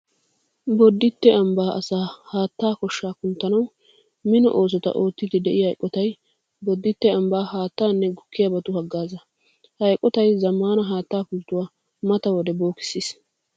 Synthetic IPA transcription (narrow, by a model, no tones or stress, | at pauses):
bɔd̪ːɪt̪ːɛɐmbaːʔɐ̰saːhaːt̪ːaːkɔʃːaːkʊnt̪ːɐnɐw | mɪnɔ̰ʔo̞ːs̬ɔt̪ɐ̰ʔo̞ːt̪ːɪd̪ɪd̪ɛʔɪhɐjkʼːɔt̪ɐj | bɔd̪ːɪt̪ːɛɐmbaːhaːt̪ːaːnːɛɡʊkːɪjabɐt̪ʊhɐɡːaːzɐ | hɐjkʼːɔt̪ɐjzɐmːaːnɐɦaːt̪ːaːkʊlt̪ːʊwaː | mɐt̪ɐwɔd̪ɛbo̞ːkɪ̥sːiːs